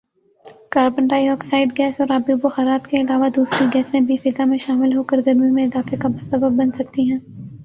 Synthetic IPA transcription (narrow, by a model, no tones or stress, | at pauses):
kaːɾbə̃ɳʈaːiɔːksaːɪɖɡɛːsɔːɾaːbjuboxaɾaːt̪keɪlaːʋad̪uːsɾiɡɛːsẽbʱifɪzamẽʃaːmɪlɦoːkəɾɡɐɾmĩmẽɪzaːfekabʊst̪əbəb̚ːɐnsɐkt̪iɦɛ̃ː